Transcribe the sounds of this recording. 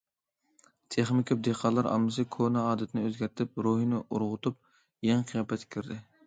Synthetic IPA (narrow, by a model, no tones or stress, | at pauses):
t̪ʰeχmɪkʲʰɑp̚d̪eqʰɑːlˠɑɾɑ̰mːɨsɨkʰonɑɑːd̪ɛt̪ʰɪnɪøzɡʲæɾt̪ʰɪp̚ɾoɦinɪʔuɾʁʊt̪ʰup̚ | jɛŋqʰijɑːpɛt̪ʰːkʲʰyɾd̪ɪ